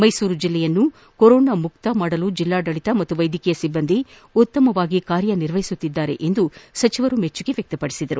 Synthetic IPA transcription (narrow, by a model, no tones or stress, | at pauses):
mɐjsuːɾud͡ʒilːɛjɐnːu | koɾɔːnamuk̚t̪ɐmaːɽɐlud͡ʒilːaːɖɐɭit̪ɐmɐt̪ːuʋɐjd̪ʱikɛjɐsibːɐnd̪i | ut̪ːɐmɐʋaːɡikaːɾjɐniɾʋɐɦisut̪ːid̪ːaːɾe̞̰ʔend̪usɐt͡ʃiʋɐɾumet͡ʃːuɡe̞ʋjɐk̚t̪ɐpɐɽi̥sid̪ɐɾu